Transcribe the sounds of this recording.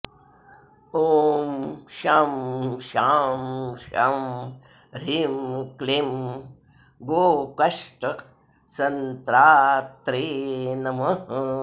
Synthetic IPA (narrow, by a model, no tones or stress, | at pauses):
oːmʃamʃaːmʃa̰ːm | ɾimklim | ɡoːkɐʂʈɐ | sɐnt̪ɾaːt̪ɾeːnɐmɐ